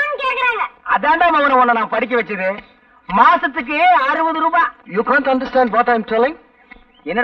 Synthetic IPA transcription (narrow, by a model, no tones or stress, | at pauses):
nkeːʈkɪɾaːŋɡɐɐðaːɳɖaːmɐʋɐnːɐɔnːɐnãːpɐɽɪk̬ːɐʋɛt͡ʃːɯðɯ | maːsɐt̪ːɯk̬ːɯeːɐɾɯbɐðɯɾuːbaːjuːkãːɳʈɐɳɖɐɾsʈãːɳɖʋɔːʈaɪmʈɛlɪ̃ŋ | ɛnːɐ